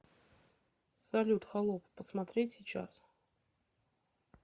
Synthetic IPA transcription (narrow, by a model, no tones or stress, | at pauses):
sɐlʲut̪xalˠoppəsmat̪ɾʲetʲsʲit͡ɕa̰s